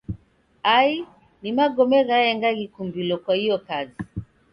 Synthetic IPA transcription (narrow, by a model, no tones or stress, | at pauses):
ai | nimaɡɔmɛɣajɛŋɡaɣikumbilɔkwahijɔkazi